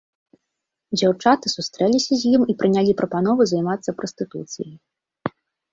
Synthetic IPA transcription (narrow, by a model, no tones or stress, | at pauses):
d͡zʲawt͡ʂat̪ɨsust̪ɾɛlʲisʲɐzʲjimipɾɨnʲalʲipɾʔɐpanɔvɨzajmat̪sːɐpɾɔst̪ɨt̪ṵt̪sɨ̰jɐj